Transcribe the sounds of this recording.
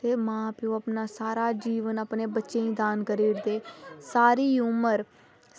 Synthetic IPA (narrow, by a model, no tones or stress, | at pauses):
t̪eːmãːpɪjõːəpnaːsaːɾaːd͡ʒiːʋənəpneːbətːʃẽːĩːd̪aːnkəɾiːɾd̪eːsaːɾiːuːməɾ